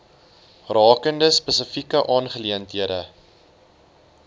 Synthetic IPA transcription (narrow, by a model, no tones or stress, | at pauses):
rɑːkəndəspəsəfikəʔɑːnχəliəntɦiədə̰